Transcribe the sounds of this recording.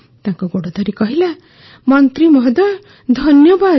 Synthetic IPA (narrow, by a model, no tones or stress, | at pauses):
t̪jãkoɡoɽod̪ʱʌɾikʌɦila | mʌnt̪ɾimʌɦd̪ʌɾ | d̪ʱʌnjʌba